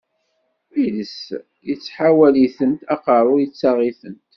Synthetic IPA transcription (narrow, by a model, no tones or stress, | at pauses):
iləs | jət͡sːħawæliθənt̪ɑqəɾˤʊjət͡sːɑʁiθənt̪